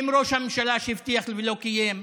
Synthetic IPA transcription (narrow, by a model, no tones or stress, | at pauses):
mɾo̞ʃhamemʃalaʃeivt̪iaχlvilokijem